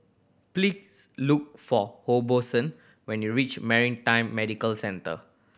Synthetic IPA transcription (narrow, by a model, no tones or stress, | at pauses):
plisluk̚fɔhobosə̃n | wɛ̃njuɹit͡ʃmɛɹĩntãɪ̃mːɛdikəlsɛ̃ntə̰